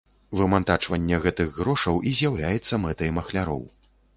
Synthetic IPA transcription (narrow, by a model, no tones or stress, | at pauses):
vɨmant̪at͡ʂvɐnʲːɛɣɛt̪ɨɣːɾɔʂɐwʔizʲjawlʲajɛt̪sːɐmɛt̪ɐjmɐxlʲaɾɔ̰w